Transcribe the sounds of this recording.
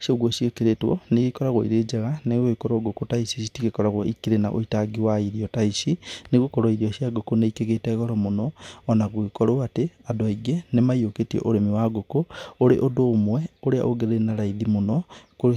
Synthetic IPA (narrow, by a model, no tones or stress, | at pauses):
sioɣwosiekeɾetwɔ̰neɣikɔɾaɣwɔḭɾed͡ʒɛɣaneɣoikɔɾoɡokotaisisitiɣekɔɾaɣwɔikiɾenaʔo̰itaɡiwaiɾiɔtaisineɣokɔɾɔiɾiɔɕijaɡokoneikeɣetɛɣɔɾɔmonɔɔnaɣwekɔɾoateadoaiɡenemaioketiɛ̰ʔoɾemiwaɡokooɾeʔodoːmwɛoɾea̰ʔoɡeɾenaɾaiðimonɔko